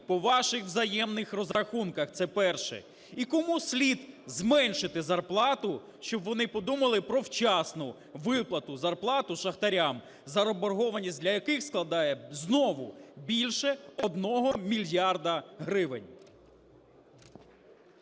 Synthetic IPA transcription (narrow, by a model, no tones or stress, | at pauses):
pɔʋɑʃɪxʋzɐjɛmnɪxrɔzɾɐxunkɐxt̪sɛpɛrʃɛ̰ | ikɔmusʲlʲid̪zmɛnʃɪt̪ɪzɐrplˠɑt̪ʊ | ʃt͡ʃɔbʋɔnɪpɔd̪umɐlˠɪpɾɔwt͡ʃɑsnʊ | ʋɪplˠɐt̪ʊzɐrplˠɑt̪ʊʃɐxt̪ɐɾʲam | zɐɾɔbɔrɦɔʋɐnʲisʲt̚ʲd̪ʲlʲɐjɐkɪxsklˠɐd̪ɑjɛznɔʋʊ̰bʲilʲʃɛɔd̪nɔɦɔmʲilʲjɑrd̪ɐɦɾɪʋɪnʲ